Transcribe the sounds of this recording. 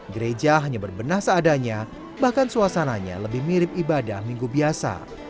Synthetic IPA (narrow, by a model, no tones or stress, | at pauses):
ɡəɾed͡ʒaɦaɲabərbənahsəːdaɲa | bahkansuasanaɲa̰ləbɪhmiɾɪp̚ibadahmiŋɡubiasa̰